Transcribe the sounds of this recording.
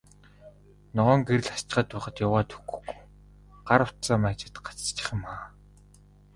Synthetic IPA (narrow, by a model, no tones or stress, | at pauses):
nɔʁɔːŋɡeɾɘ̆ɮast͡ɕ̆χəːt̪ʊːχə̆t̪jawaːt̪ʰɵɡɵ̥̆xɡu̥j | ɢaɾə̆w̥t̪t͡saːmæːt͡ɕɪ̥̆t̪ɢḁt͡st͡ɕɪ̥̆χ̆maː